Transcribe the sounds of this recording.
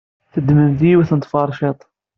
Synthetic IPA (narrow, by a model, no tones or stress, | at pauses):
θəd̪məmθiiwθənt̪ˤfɑɾˤʃet̪ˤ